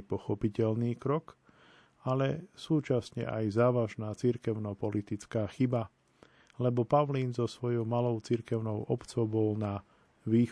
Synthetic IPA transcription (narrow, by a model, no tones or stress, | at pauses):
pɔxɔpicɛlniːkɾɔk | alɛsuːt͡ʃasɲɛ̰ʔa̰jzaːʋaʒnaːt͡siɾkɛʊnɔpɔlit̪it͡skaːxiba | lɛbɔpaʊliːnzɔsʋɔjɔʊmalɔʊt͡siɾkɛʊnɔʊʔɔpt͡sɔʊbɔlna | ʋiː